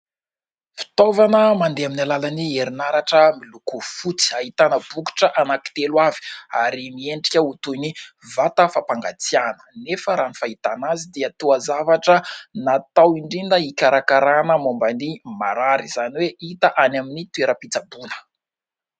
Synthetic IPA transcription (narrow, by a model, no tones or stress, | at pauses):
fi̥t̪ovanəmand̪eaminalalanieɾinaɾaʈ͡ʂəmilukufut͡si̥aɦit̪anəbuku̥ʈ͡ʂəʔanaki̥t̪elwavi̥aɾimieɳɖ͡ʐi̥kʲəut̪uni | vat̪əfapaŋɡat͡sianə̥nefəɾanifait̪anazid̪eət̪uazavaʈ͡ʂənat̪awiɳɖ͡ʐind̪əikʲaɾakaɾanəmombanima̰ɾaɾiz̥aniweit̪əʔanaminit̪ueɾəpit͡sabunə̥